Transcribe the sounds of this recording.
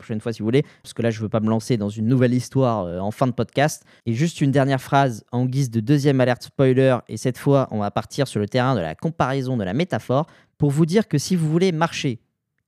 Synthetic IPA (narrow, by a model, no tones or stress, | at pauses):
pχɔ̥ʃɛnfwasivuvulepḁskəlaʒəvøpaməlɑ̃sed̪ɑ̃zynːuvɛlist̪waʁøɑ̃fɛ̃d̪əpɔd̪̚kʲast̪ | eʒyst̪ynd̪ɛʁnjɛʁfχazɑ̃ɡʲizd̪əd̪øzjɛmalɛʁt̪spɔjlœʁḛsɛt̪fwaʔɔ̃vapaʁt̪ʰiʁsyʁlət̪eʁɛ̃d̪əla̰kɔ̃paʁɛzɔ̃d̪əla̰met̪afɔʁ | puʁvud̪iʁkəsivuvulemaʁʃe